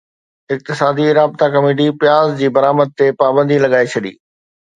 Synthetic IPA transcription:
ɪk̚t̪ɪsaːd̪iɾaːb̚t̪akɐmeːʈ̬ipɪjaːzd͡ʑiːbɐɾaːməd̪̚t̪epaːbə̃nd̪ʱilɐɠaːet͡ɕʰɐɗḭː

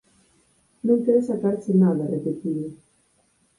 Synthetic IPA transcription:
nõŋkeɾesak̪aɾsenaðarepet̪iðe

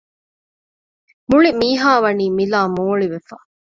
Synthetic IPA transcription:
muɭimiːɦaːʋɐniːmilaːmoːɭiʋefɐ

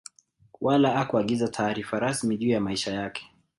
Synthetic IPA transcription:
wʔalaakuaɠizatʰaːɾifaɾasmiʄuːjamaiʃajakɛ̥

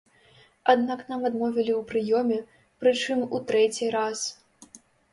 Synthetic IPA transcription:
ad̪naknamad̪mɔvʲilʲiwpɾɨjɔmʲɛ | pɾɨt͡ʂɨmut̪ɾɛt͡sʲiɾas

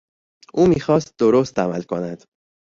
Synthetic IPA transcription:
ʔuːmiːxɒːst̪̚d̪oɾost̪æmælkʰonæd̪̥

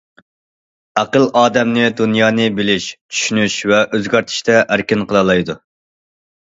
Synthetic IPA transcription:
æqəlˠʔɑːd̪ɛmnɨd̪unjɑːnɨbɪlɪʃt͡ʃʰy̥ʃynyʃvɛʔøzɡʲæɾt̪ʰɪ̥ʃt̪ʰɛʔæɾkʲɪnqʰəlˠɑlˠɑjd̪u

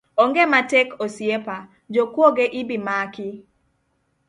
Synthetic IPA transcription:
oŋɡematekosjepa | d͡ʒokwoɡeʔɪbimakɪ

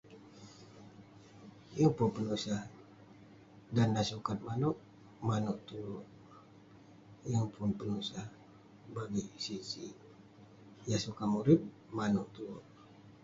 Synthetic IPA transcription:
jaŋpunpənusa | dandasukat̪̚manuʔ | manuʔt̪uɾʊʔ | jaŋpʰʊnpənusa | baɡisisi | jasukamuɾɪt̪̚ | manuʔt̪uɾʊ̰ʔ

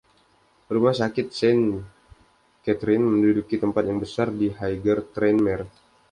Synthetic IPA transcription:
rumahsakɪt̪̚sɛn | kɛt̪ɾɪnməndudukit̪əmpat̪̚jaŋbəsardiɦajɡərt̪ɾɛnmɛr

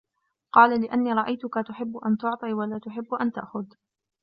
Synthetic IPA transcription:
qɑːlalɪʔanːiːɾˤɑʔajt̪ʊkat̪ʊħɪbːʊʔant̪ʊʕt̪ˤiːwalaːt̪ʊħɪbːʊʔant̪aʔxʊð

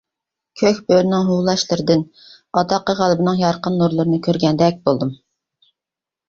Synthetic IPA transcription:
kʲʰøkʲbøɾnɪŋɦulˠɑʃlˠɨɾɨd̪ɪn | ɑt̪ɑqːəʁælˠɪbɪnɪŋjɑɾqənːuɾlˠɨɾɨnɨkʲʰøɾɡʲɛnd̪ɛk̚ʲbolˠd̪ɨm

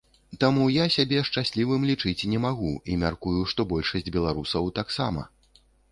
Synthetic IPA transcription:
t̪amujasʲabʲɛʂt͡ʂasʲlʲivɨmlʲit͡ʂɨt͡sʲnʲɛmaɣuimʲarkujuʂt̪ɔbɔlʲʂɐsʲd͡zʲbʲɛlˠaɾusɐwt̪aksa̰mɐ̰

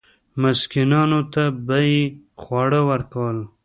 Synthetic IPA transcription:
mɪskinɑnot̪abaixwɑɽəwəɾkawəl

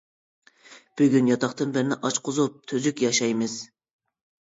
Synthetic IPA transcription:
b̥yɡʲynjɑt̪ɑχt̪ɨnbɪɾnɪʔɑt͡ʃqʰʊzup̚t̪ʰøzykʲjɑʃɑjmɨz

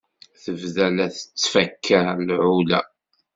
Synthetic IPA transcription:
θəvðælæθə̥t͡sːfækʰːælʕulæ̰

